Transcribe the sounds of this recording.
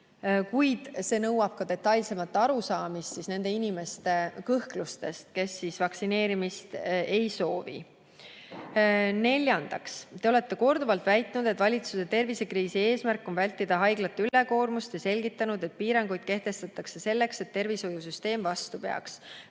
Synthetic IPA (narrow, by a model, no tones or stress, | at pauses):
kujd̪̥se̞ːnɤwɑb̥kɑd̪e̞t̪ːˑɑjlse̞mɑt̪ˑːɑɾusɑːmist̪sisne̞nd̪̥e̞inime̞st̪e̞kɤhklust̪e̞st̪ke̞sːisvɑksine̞ːɾimist̪e̞jso̞ːvḭ | ne̞lʲjɑnd̪̥ɑkst̪e̞o̞le̞t̪ːe̞ko̞rd̪uvɑlt̪væjt̪ˑnud̪̥e̞t̪vɑlʲit̪suse̞t̪e̞rvise̞kriːsie̞ːsmærkːˑo̞nvælʲt̪ːid̪̥ɑɦɑjɡlɑt̪ːyle̞ko̞ːrmust̪jɑse̞lʲɡit̪ːˑɑnud̪̥e̞t̪̚piːɾɑŋɡujd̪̥̚ke̞ht̪e̞st̪ɑt̪ːˑɑkse̞se̞lːe̞kse̞t̪ːe̞rviso̞jus̬yst̪e̞ːmvɑst̪upeɑ̰ks